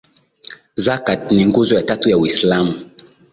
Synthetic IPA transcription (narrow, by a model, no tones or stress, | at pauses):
zakatniŋɡuzɔjatatujawislamu